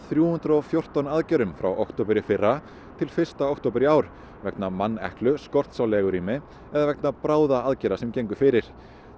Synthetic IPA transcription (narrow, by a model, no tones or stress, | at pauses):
θɾjuːhʏnt̪ɾɔfjowr̥t̪ɔnaðcɛɾʏmfɾa̰wʔɔ̰wkt̪owpʏɾɪfɪrːa | t̪ʰɪlfɪr̥st̪aɔkt̪oːpɪɾiaːwɾ | vɛknamanːɛ̰hklʏskɔr̥t̪sawlɛɣʏɾiːmɪ | ɛðavɛk̚napɾaːwðaaðcɛɾasɛmcejŋkʏfɪɾɪɾ̥